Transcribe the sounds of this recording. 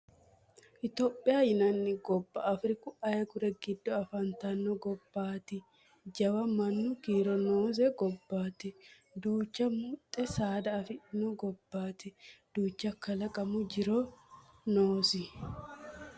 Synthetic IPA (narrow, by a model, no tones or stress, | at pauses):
ʔɪt̪oːpʼːɪjajɪnɐnːɪɡɔbːɐːfɾɪkʊɐjɐkʊɾɛɡɪd̪ːɔɐfɐnt̪ɐnːɔɡɔbːaːt̪ɪ | d͡ʒɐwɐmɐnːʊkiːɾɔnoːz̬ɛɡɔbːaːt̪ɪ | d̪uːt͡ʃːɐmʊt̪ʼːɛsaːd̪ɐːfɪɪnɔɡɔbːaːt̪ɪd̪̥uːt͡ʃːɐkːɐlɐkʼɐmʊd͡ʒɪɾɔ | noːsɪ